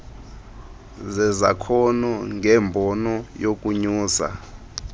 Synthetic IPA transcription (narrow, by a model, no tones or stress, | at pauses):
zɛza̰kʰɔnuŋʱɛːmbʱɔnɔjokʼuɲuːsa̰